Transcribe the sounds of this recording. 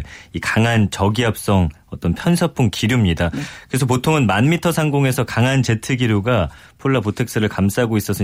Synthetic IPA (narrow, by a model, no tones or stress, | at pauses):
ikaŋant͡ɕʌɡiɦap̚s͈ʌŋʌt͈ʌnpʰjʌnsʰap͈ʰuŋkiɾjumɲidakɯɾesʰʌp̬otʰoŋɯnmanmitʰʌsʰaŋɡoŋe̞sʰʌkaŋɦant͡ɕe̞tʰɯɡiɾjuɡa | pʰoɭːapotʰe̞k̚s͈ɯɾɯɭkamsʰaɦaɡois͈ʌs͈ɯ